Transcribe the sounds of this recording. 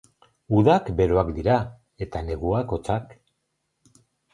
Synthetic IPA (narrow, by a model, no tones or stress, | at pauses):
uðakbe̞ɾoakd̪iɾa | e̞t̪ane̞ɣuako̞t͡sak